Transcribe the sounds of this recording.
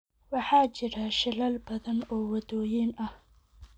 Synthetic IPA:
wɑħɑːt͡ʃɪɾaʃɪlɐlbɐðɐnɔːwɐdɔːjiːnɐh

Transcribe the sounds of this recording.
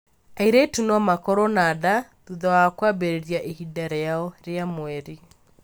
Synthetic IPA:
aiɾetunwamakɔɾɔnaðaðuðawakwabeɾeɾjaʔehidaɾɛaɔɾeamwɛɾi

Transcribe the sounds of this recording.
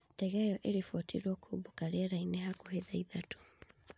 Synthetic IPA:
dɛɣɛjɔʔeɾifɔtʰiɾwɔkʰubokaɾɛɾainɛɦakuɦeðaiðatu̥

